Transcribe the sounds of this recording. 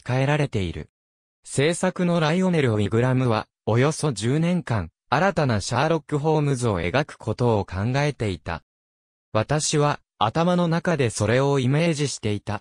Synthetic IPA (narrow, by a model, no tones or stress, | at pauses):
kae̞ɾaɾe̞t̪e̞iɾɯ̟̰ | se̞ːsakɯ̟no̞ɾaio̞ne̞ɾɯ̟oiɡɯ̟ɾamɯ̟βa | o̞jo̞so̞d͡ʑɨːnẽ̞ŋkãŋ | aɾat̪anaɕaːɾo̞kːɯ̟ɦo̞ːmɯ̟zɨo̞̰e̞̰ɡakɯ̟̥kʰo̞t̪o̞ːkʰãŋɡae̞t̪e̞it̪a̰ | βat̪aɕiβ̞a | at̪amano̞nakad̪e̞so̞ɾe̞o̞ime̞ːʑiɕi̥t̪e̞it̪a